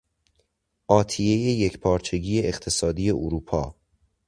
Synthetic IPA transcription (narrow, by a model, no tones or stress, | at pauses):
ʔɒːt̪ʰijejejecpʰɒːɾt͡ʃʰe̞ɟiːeeχt̪ʰe̞sɒːd̪ije̞ʔoɾuːpʰɒ̰ː